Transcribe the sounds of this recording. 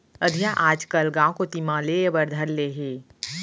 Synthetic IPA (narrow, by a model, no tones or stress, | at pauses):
ɐd̪ʱijaʔaːd͡ʒkɐlɡãːw̃kot̪imãleəbəɾd̪ʱəɾleːɦeː